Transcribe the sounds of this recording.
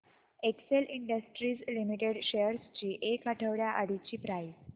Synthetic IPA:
ekseliɳɖəsʈɾiːslimiʈeɽɕejəɾst͡ɕiːʔekaʈʰəʋɽjaʔaɽit͡ɕiːpɾajs

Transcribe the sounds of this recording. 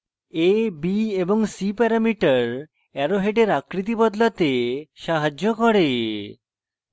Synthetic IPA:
ebieboŋsipɛɾamiʈaɾ | ɛɾoɦeɖeɾakɾit̪̬ibɔd̪lat̪eʃaɦad͡ʑokoɽe

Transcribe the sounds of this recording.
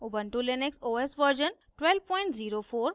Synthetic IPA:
ubəɳʈuleneksoːesʋəɾd͡ʒən | ʈwɛlpɔ̃ɪ̃ɳʈziːɾofoːɾ

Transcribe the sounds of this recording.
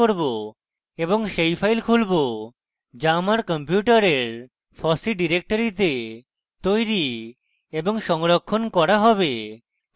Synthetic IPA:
oɾbo | eβoŋʃejfʰajlkʰulbo | d͡ʑamaɾkɔmpjuʈaɾeɾ | fʰɔsiɖiɾek̚ʈoɾit̪e | t̪ojɾi | eboŋʃɔŋɾokʰːonkɔɾaɦɔβe

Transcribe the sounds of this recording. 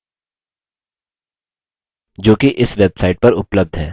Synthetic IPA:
d͡ʒoːkiʔɪsʋeːbsaːɪʈ̚pɐɾʊpləb̚d̪ʱɦɛ̰ː

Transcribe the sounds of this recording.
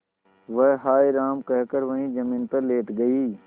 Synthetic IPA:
ʋəɦɦaːiɾaːmkəɦkəɾʋɐɦĩd͡ʒəmĩːnpəɾleːʈ̪ɡəiː

